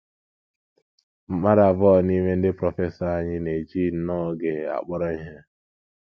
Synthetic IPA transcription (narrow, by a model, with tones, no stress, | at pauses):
m̩˦ma˦ɾa˨vɔ˨ni˦me˦n̩˦dɪ˦pɾɔ˨fe˦sɔ˦a˦ɲɪ˦ne˨d͡ʒi˦nɔ˦ɡe˨a̰˨k͡pɔ˦ɾɔ˦i˦ɦe˦